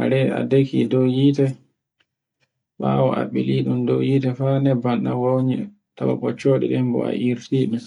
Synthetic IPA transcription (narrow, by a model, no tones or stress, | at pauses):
a̰ɾɛa̰dekḭdɔwjiːtɛ | ɓawɔ̰ʔaɓiliɗumdɔjitɛfanɛbanɗawowɲi | tawa̰ɓɔt͡ʃoːɗḭɗɛmbɔ̰a̰ʔiɾtiːɗɛ